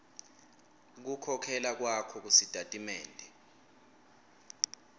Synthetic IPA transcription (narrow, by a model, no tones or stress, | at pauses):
k̬ukʰɔkʰɛlak̬wakʰɔk̬usid̥ʱatʼimɛːndʱɛ